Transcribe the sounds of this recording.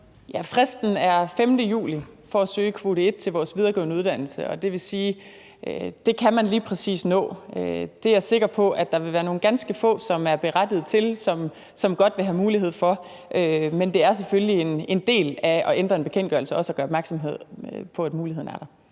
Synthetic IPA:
jæfʁɛsd̥n̩æɐfemd̥əjṵːlifɒ̽æsø̰ːkʰʋo̝ːɾ̥e̝d̥̚t͡sʰe̝lʋɒːsʋið̞ˠɐɡ̥ɔ̰ːʊnəuðˠd̥æn̰l̩səɒ̽d̥e̝ʋe̝siː | d̥e̝kʰæmænliːpʰʁɛsḭːsnɔ̰̽ːød̥e̝æɐse̝ɡ̥ɐpʰɒ̽ʔæd̥ɑ̈ʋe̝ʋæːɐno̝ːn̩ɡ̥ænsɡ̥əfɔ̰̽ːsɒ̽mæɐb̥e̝ʁad̥ið̞̩ˠt͡sʰe̝lsɒ̽m | sɒ̽mɡ̥ɒ̽d̥ʋe̝ɦæmuːliɦe̝ð̞̰ˠfɒ̽ | ʔømend̥e̝æɐs̬efølliene̝nd̥e̝̰ːlæɒ̽ʔend̥ʁɐenb̥e̝kʰen̰dɡ̥ɶɐlsəɒ̽səɒɡ̥ɶːɐɒb̥mæɐɡ̥sɒ̽mɦe̝ð̞̰ˠpʰɒ̽æd̥muːliheð̰ˠn̩æɐɾ̥ɑ̈

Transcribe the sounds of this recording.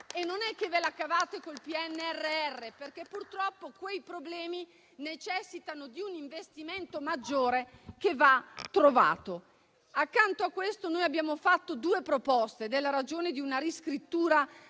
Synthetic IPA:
enːonɛkːevelakːavaːt̪ekolpiɛnːɛrːeɛrːeperk̟epːurt̪ɾɔpːokwejpɾoblɛːmi | net͡ʃɛsːit̪anod̪iuniɱvest̪iment̪omad͡ʒːoːɾekevat̪ːɾova̰ːt̪o | akːant̪oakːwest̪onoːjabjaːmofat̪ːod̪uːepɾopɔst̪ed̪elːaɾad͡ʒoːned̪iunaɾiskɾit̪ːuːɾa

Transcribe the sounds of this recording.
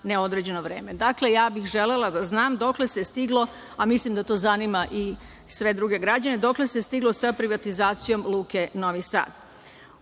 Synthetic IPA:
neo̞d̪ɾed͡ʑe̞noʋɾe̞ːme̞d̪akle̞jaːbixʒe̞le̞lad̪aznaːmd̪o̞kle̞sest̪iɡlˠo̞ | amislimd̪at̪o̞ːzanimaʔi | sʋe̞d̪ɾuɡe̞ɡɾad͡ʑane̞d̪o̞kle̞sest̪iɡlo̞sapɾiʋat̪izaːt̪sijo̞mlˠuːke̞no̞ʋisa̰ːd̪̥

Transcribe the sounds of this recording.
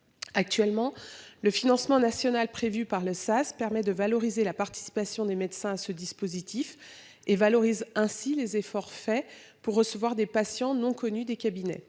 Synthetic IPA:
ak̚t̪ɥɛlmɑ̃ləfinɑ̃smɑ̃nasjɔnalpχevypaʁləsaspɛʁmɛd̪əvalɔʁizelapaʁt̪i̥si̥pasjɔ̃d̪emɛd̪sɛ̃asəd̪ispozit̪ʰif | evalɔʁizɛ̃silezefɔʁfɛ | puʁːəsəvwaʁd̪epasjɑ̃nɔ̃kɔnyd̪ekʲabinɛ̰

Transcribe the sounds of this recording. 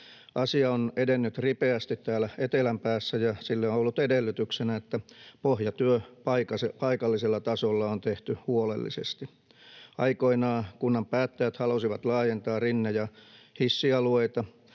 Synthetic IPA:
ʔɑsiɑonedenːyt̪ripeæst̪it̪tæːlæet̪elæmpæːsːæjɑsilːeoolːut̪edelːyt̪yksenæet̪ːæpohjɑt̪yøpɑikɑsepɑikɑlːiselːɑt̪ɑsolːɑont̪eht̪yhuolḛlːḭsḛst̪i | ɑikoinɑːkunːɑmpæːt̪ːæjæt̪hɑlosiʋɑt̪lɑːjent̪ɑːrinːejɑhisːiɑlueit̪ɑ

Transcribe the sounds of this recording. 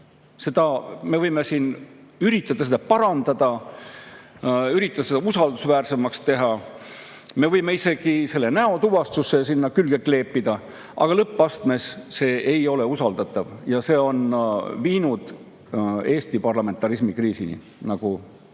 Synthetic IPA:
se̞d̪̥ɑme̞vɤjme̞siːnyɾit̪ːˑɑt̪ɑsed̪̥ɑpɑɾɑnd̪ɑd̪̥ɑ | yɾit̪ːˑɑt̪ɑseɑusɑld̪usvæːrse̞mɑkst̪e̞ɦɑ | me̞vɤjme̞ise̞ɡ̥ise̞lːe̞næo̞t̪uvɑst̪usːe̞sinːɑkylɡ̥ekːle̞ːpːid̪̥ɑ | ʔɑ̰ɡ̥ɑlɤpːˑɑst̪me̞sse̞ːʔejo̞le̞usɑld̪ɑt̪ːˑɑvjɑse̞ːo̞nviːnud̪̥ | e̞ːst̪ipɑrlɑme̞nt̪ːˑɑɾismikriːsinḭ | nɑɡ̥u

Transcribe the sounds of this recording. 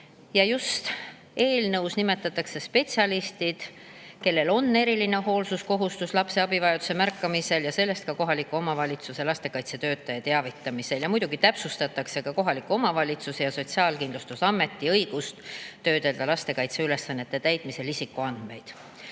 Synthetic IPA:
jɑjust̪ | e̞ːlnɤwsnime̞t̪ːˑɑt̪ːˑɑkse̞spe̞t̪siɑlist̪id̪̥ | ke̞lːe̞lo̞nːe̞ɾiline̞ɦo̞ːlsusko̞ɦust̪uslɑpse̞ɑbivɑjɑd̪̥use̞mærkːɑmise̞ljɑse̞lːe̞st̪̚kɑko̞ɦɑlikːˑuo̞mɑvɑlʲit̪suse̞lɑst̪e̞kɑjt̪se̞t̪ø̞ːt̪ːˑɑjɑt̪eɑvit̪ːˑɑmise̞ljɑmujd̪̥uɡ̥it̪æpsust̪ɑt̪ːˑɑkse̞kɑko̞ɦɑlikːuo̞mɑvɑlʲit̪susejɑso̞t̪siɑːlkind̪lust̪usɑmːe̞t̪ːˑiɤ̞jɡ̥ust̪ːø̞ːd̪e̞ld̪̥ɑlɑst̪e̞kɑjt̪se̞yle̞sːɑnːet̪ːˑe̞t̪æjt̪mise̞lisikːˑuɑnd̪̥me̞jd̪̥

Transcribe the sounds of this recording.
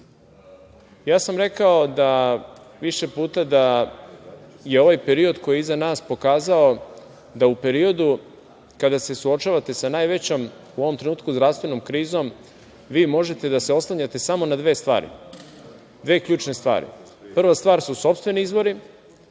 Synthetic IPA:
jaːsamɾe̞kaod̪a | ʋiʃe̞puːt̪ad̪a | je̞o̞ʋajpeɾio̞d̪ko̞jeizanaːspo̞kaːzao̞ | d̪aupe̞ɾio̞d̪u | kad̪ase̞suo̞t͡ʃaːʋat̪e̞sanajʋe̞t͡ɕom | uoʋo̞mt̪ɾenuːt̪̚kuzd̪ɾast̪ʋe̞no̞mkɾiːzo̞m | ʋiːmo̞ʒe̞t̪e̞d̪ase̞o̞slˠaɲat̪e̞samo̞nad̪ʋe̞ːst̪ʋa̰ːɾḭ | d̪ʋe̞ːkʎʲuːt͡ʃne̞st̪ʋa̰ːɾḭ | pr̩ʋast̪ʋaːɾsuso̞pst̪ʋe̞niizbo̞ɾi

